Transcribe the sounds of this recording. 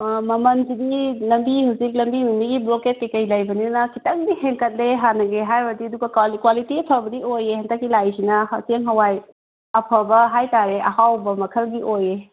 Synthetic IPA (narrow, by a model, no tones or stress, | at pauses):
mɐmɐnsidilɐmbiɦawzik̬̚lɐmbimumiɡibloket̚kɐjkɐjlajbɐninɐnɐkitɐŋdiheŋkɐt̚leɦanɐɡeɦaɾbɐdiɐduɡɐkalikwalitipʰɐbɐdiojehɐntɐkːilajsinɐhɐseŋɦɐwaj | ɐpʰɐbɐɦajtaɾeʔɐhawbɐmɐkʰɐlɡiʔoje